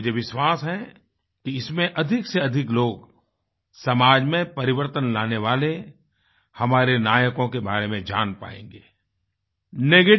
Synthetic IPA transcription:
d͡ʒeʋɪʃwaːsɦɛ̃ | kiɪsmẽʔɐd̪ʱɪkseɐd̪ʱɪkloːɡ | sɐmaːd͡ʒmẽpɐɾɪʋəɾt̪ənlaːneʋaːle | hɐmaːɾenaːjəkõkebaːɾemẽd͡ʒa̰ːnpa̰ːḛ̃ːŋɡeː | neɡe

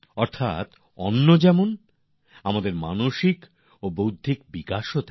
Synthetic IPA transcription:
ɔɾt̪ʰa̰t̪ | ɔ̰nːod͡ʑɛmon | amad̪eɾma̰noʃik | obowd̪ʱːikbikaʃot̪a

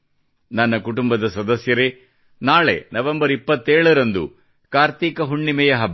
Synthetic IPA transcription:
nɐnːɐkuʈumbɐd̪ɐsɐd̪ɐsjɐɾe | naːɭḛnɐʋembɐɾipːɐt̪ːeːɭɐɾɐnd̪ṵ | kaːɾt̪iːkɐɦuɳːimɛjɐɦɐb

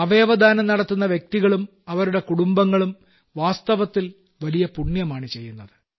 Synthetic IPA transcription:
ɐʋe̞ːʋɐd̪ʱaːnɐmnɐɽɐt̪ːunːɐʋjek̚t̪iɣɐɭum | ɐʋɐɾuɽe̞kuɽumbɐŋːɐɭum | ʋaːst̪ɐʋɐt̪ːil | ʋɐlijɐpuɳjɐmaːɳɨt͡ɕe̞jːunːɐðɨ

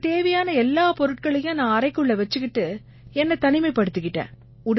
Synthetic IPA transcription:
t̪eːʋɐjaːnɐɛlːaːpɔɾɯʈ̚kɐɭɐjʊ̃nãːɐɾɐɪkɯɭːɐʋɛt͡ʃːɯkɪʈːɯ | ɛnːɐt̪ɐnɪmɐɪpɐɽɯt̪ːɯkːɪʈːḛ̃ː | ʊɽ

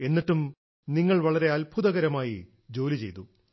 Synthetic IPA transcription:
e̞nːiʈːum | niŋːɐɭʋɐɭɐɾe̞ɐlbʱuðɐɣɐɾɐmaːji | d͡ʑo̞ːlit͡ɕejt̪u

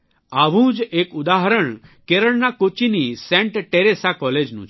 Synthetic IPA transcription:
aʋũd͡ʒekud̪aɦɾəɳkeɾəɭnakot͡ʃinisɛ̃ɳʈʈeɾesakɔled͡ʒnṵ̃t͡ʃ

